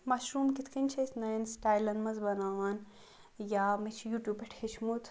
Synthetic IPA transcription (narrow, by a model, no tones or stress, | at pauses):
maʃɾuːmkit̪ʰkʰinʲt͡ʃʰesnansʈaːjlɐnmɐzbɐnaːʋaːn | jaːmit͡ʃʰjuːʈjuːpeʈʰet͡ʃʰmut̪ʰ